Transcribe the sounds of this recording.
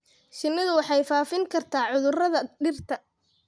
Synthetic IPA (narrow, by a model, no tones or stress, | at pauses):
ʃɪnːɪðʊwɑħɑjfaːfɪŋkʰɐrt̪ʰaːʕʊðʊrɐðɐɖɪrt̪ʰɐ